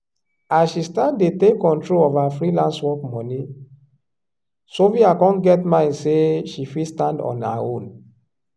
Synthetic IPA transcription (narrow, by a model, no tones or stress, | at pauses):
asʃistãndetekɔ̃ntɹolɔvafɹilãnswɔkmɔ̃ni | soviakɔ̃nɡɛtmãɪ̃ndseʃifistãndɔ̰̃na̰õn